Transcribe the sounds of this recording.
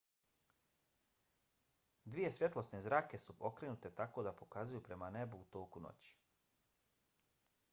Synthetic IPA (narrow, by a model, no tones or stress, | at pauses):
d̪ʋije̞sʋje̞t̪lˠo̞snezɾaːke̞supo̞kɾe̞nut̪e̞t̪ako̞ːd̪apo̞kazujupɾe̞mane̞buut̪o̞ːkuno̰t͡ɕi̥